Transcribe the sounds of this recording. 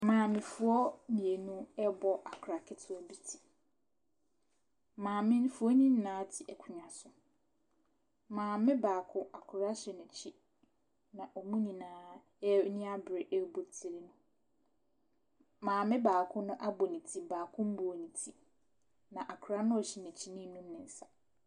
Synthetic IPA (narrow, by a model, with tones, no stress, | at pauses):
mãː˨mɪ̃˨fʊ˨ɔ˦mĩ˨e˨nũ˦ɛ˦bɔ˦ʔa˨kʰɾa˨kʰɪ˦tʰʊ˦ɔ˨bi˦tʰi̥˨ | mãː˨mɪ̃˦n˦fu˨˦ɔ˦ɲĩ˦n˦nãː˨˦tʰɪ˨ʔɛ˨kʰʊ˨ɲã˨sʊ˨ | mãː˨mɪ̃˦baː˨kʰʊ̃˦a˨kʰʊ˨ɾa˦ɕɪ˨nʊ̃˨t͡ɕʰi˦ | nã˨ʔɔ˨mũ˦nĩ˨nãː˨˦ | ɛ˦nĩ˦a˦bɾɪ˨ʔɛ˦bo˨tʰi˨ɾi˦nʊ̃˦ | mãː˨mɪ̃˦baː˨kʰʊ̃˦nʊ̃˦ʔa˦bɔ˨nĩ˨tʰi˦baː˨kʰʊ̃˦m̩˦bʊ˨o˨nĩ˨tʰi˦ | nã˨ʔa˨kʰʊ˨ɾa˦nʊ̃˦ɔ˨ɕi˨nɛ̃˨t͡ɕʰi˦nĩ˦nũ˦m˦nɪ̃˨n̩˦sa˨